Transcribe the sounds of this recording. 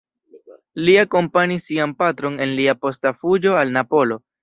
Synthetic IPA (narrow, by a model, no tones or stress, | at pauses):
liako̞mpanisːianpatɾo̞ne̞nliapo̞stafud͡ʒo̞alnapo̞lo̞